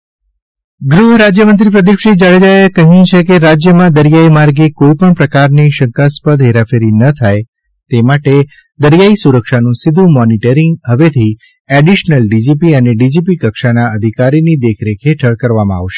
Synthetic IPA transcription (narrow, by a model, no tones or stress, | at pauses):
ɡɾuɦəɾad͡ʒjəmənt̪ɾipɾəd̪ifʃid͡ʒaɭed͡ʒaekəɦjũt͡ʃʰekeɾad͡ʒjəmãd̪əɾijaimaɾɡekoipəɳpɾəkaɾniʃəŋkaspəd̪ɦeɾafeɾinət̪ʰaj | t̪emaʈe | d̪əɾjaisuɾəkʃanũsɪd̪ʱũmɔniʈəɾiŋɡɦəʋet̪ʰi | eɖiʃnəlɖid͡ʒipiəneɖid͡ʒipikəkʃanaəd̪ʱikaɾinid̪ekʰɾekʰeʈʰəɭkəɾʋamãa̰ʋʃe̥